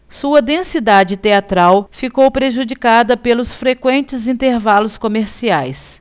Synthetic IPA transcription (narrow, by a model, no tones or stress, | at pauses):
suɐd̪ẽsid̪ad͡ʒɪt̪eat̪ɾawfikowpɾeʒud͡ʒikad̪ɐpelʊsfɾekwẽnt͡ʃɪzĩnt̪eɾvalʊskomeɾsiajs